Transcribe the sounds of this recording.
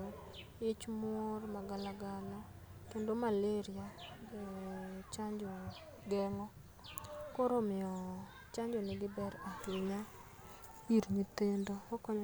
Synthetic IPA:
ɪt͡ʃmormaɡalaɡala | kendomaleɾja | t͡ʃaɲd͡ʒo | ɡɛŋɔ | koɾomɪɔ | t͡ʃaɲd͡ʒonɪɡɪbɛɾahɪɲa | iɾɲit̪endookɔɲ

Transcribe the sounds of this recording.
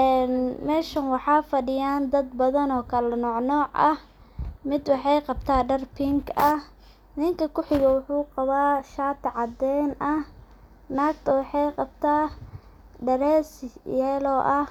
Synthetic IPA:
ʔɛːnmɛːʃɐnwɑħɑːfɐɖɪjaːnd̪ɐd̪bɐðɐnɔːkʰɐlɐnɔːʕnɔːʕʔɐ̰h | mɪd̪wɑħɑjqɑbt̪ʰaːɖɐrpʰɪŋkɐh | nɪŋkʰɐkʰʊħɪɣɐwʊħuːqɑβaːʃaːt̪ʰʕɑd̪ɛnʔɐh | naːkt̪ʰɐwɑħɑjqɑb̚t̪ʰaː | ɖɐɾɛːsjɛːlɔːʔɐh

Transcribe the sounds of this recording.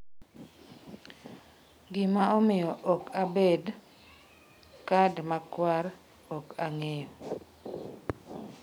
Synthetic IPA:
ɡɪmaomɪjɔʔɔkabed | kadmakwaɾ | ɔkaŋejɔ

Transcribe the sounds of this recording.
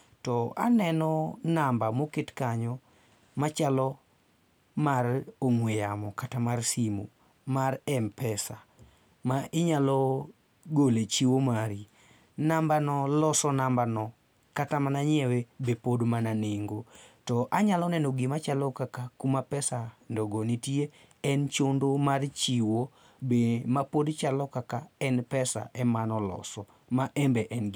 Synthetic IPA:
tɔa̰nɛnɔnambamokɪtkaɲɔ | mat͡ʃalɔ | maroŋwejamɔkatamarsimo̰ | marɛmpɛsa | maʔɪɲalɔ | ɡolet͡ʃiwomaɾi | nambanɔlɔsɔnambanɔ | katamanaɲɛwebepodmananɪŋɡotɔʔaɲalɔnɛnoɡɪmat͡ʃalɔkakakumapɛsandoɡonitie | ɛnt͡ʃondomart͡ʃiwo | bemapodt͡ʃalɔkakaɛnpɛsa̰ʔɛmanɔlɔ̰sɔ | maʔɛmbɛʔɛnɡ

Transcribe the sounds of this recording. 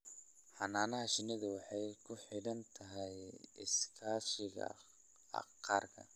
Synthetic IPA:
ħɑnaːnɐɦɐʃɪnɪðʊwɑħɑjkʰʊħɪɽɐnt̪ʰɐɦɛjɪskʰaːʃɪɣɐ̰ | ɑ̰qɑːrkʰɐ̰

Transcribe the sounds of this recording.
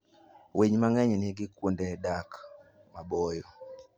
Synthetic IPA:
weɲmaŋɛɲɛnɪɡikundɛdak | mabɔjɔ

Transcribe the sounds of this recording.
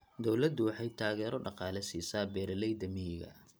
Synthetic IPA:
d̪ɔwlɐd̪ʊwɑħɑjt̪ʰaːɣɛːɾɔɖɑqɑːlɛsiːsaːbɛːɾɐlɛjd̪ɐmɪɦɪɣɐ̰

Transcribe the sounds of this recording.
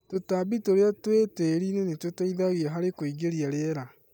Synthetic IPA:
totabitoɾeatweteɾinenetotaiðaɣiaɦaɾekoiɡeɾiaɾeɾa

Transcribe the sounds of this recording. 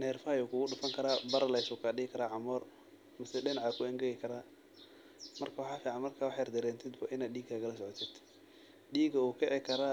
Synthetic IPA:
nɛːrfɐjuːkʰʊːɣʊɗʊfɐŋkʰɐɾaːbɐɾlɐjsʊːkʰaːɗɪɪkʰɐɾaːʕɑmɔr | mɐsɛɗɪnɑʕaːkʰʊɛŋɡɛɣɪkʰɐɾaː | mɐrkʰɐwɑħaːfiːʕanmɐrkʰaːwɑħɑːjrd̪ɛɾɛːnt̪ʰɪd̪baʔɪnaːd̪ɗiːɡʰakɐlɐsɔʕɔt̪ʰɪd̪̥ | ɗiːɡɐuːkʰɛʕɪkʰɐɾaː

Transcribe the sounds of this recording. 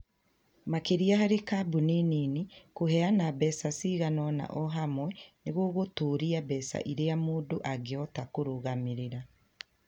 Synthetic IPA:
makeɾiaɦaɾekabunininikohɛanabɛsasiɣanɔna̰ʔɔɦamwɛneɣoɣotuːɾiabɛsa̰ʔiɾejamuːndoʔaɡeɔtakoɾoɣamiɾeɾa

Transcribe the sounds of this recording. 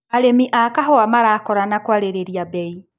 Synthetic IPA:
aɾemiʔakaɦɔwamaɾakɔɾanakwaɾeɾeɾiabɛi

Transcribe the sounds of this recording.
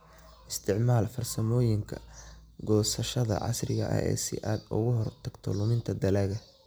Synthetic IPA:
ʔɪst̪ʰɪʕmaːlfɐrsɐmɔːjɪŋkʰɐɡɔːsɐʃɐðɐ̰ʕɑ̰srɪɣɐ̰ʔɐ̰ʔɛ̰jsɪ̰ʔaːd̪ʊ̰ɣʊɦɔrt̪ʰɐɡ̥t̪ʰɔ̰lʊmɪnt̪ʰɐd̪ɐlɐɣɐ

